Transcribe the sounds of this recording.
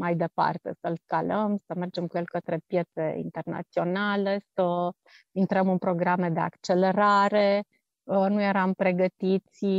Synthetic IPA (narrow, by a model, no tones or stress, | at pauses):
majd̪e̞pa̰rt̪e̞̰səlskaləmsəme̞rd͡ʒe̞mkuje̞lkət̪ɾe̞pje̞t̪se̞̰ḭnt̪e̞rna̰t̪sio̞nale̞sə | int̪ɾəmɨnpɾo̞ɡɾamed̪e̞a̰kt͡ʃe̞le̞ɾaɾe̞ | nuje̞ɾampɾe̞ɡət̪it̪sʲ